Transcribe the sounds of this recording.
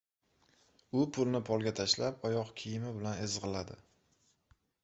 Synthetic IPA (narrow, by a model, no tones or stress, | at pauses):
ʊpʰʊlnɪpʰɒlˠɡʲat̪ʰaʃlapɒjɒqkʲʰijɪmɪbɪlanezʁɨlad̪ɪ